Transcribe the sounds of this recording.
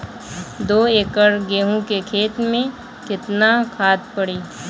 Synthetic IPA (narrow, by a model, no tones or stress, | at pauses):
d̪oːeːkəɾɡeːɦũkekʰeːt̪mẽ | kɪt̪nakʰaːt̪̚pɐɽiː